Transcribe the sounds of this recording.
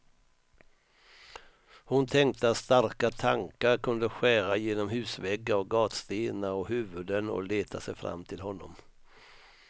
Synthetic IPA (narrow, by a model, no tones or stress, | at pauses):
hʊnt̪ʰɛŋk̚t̪əat̪st̪aɾkat̪ʰaŋkaɾkʰɵnd̪əɧæːɾajeːnɔmɦʉ̟ːsvɛɡːaɔɡɑːt̪st̪eːnaɔɦʉ̟ːvɵd̪ənɔ̰leːt̪ʰasɛjfɾa̰mːt̪ʰɪlɦɔnːɔ̰m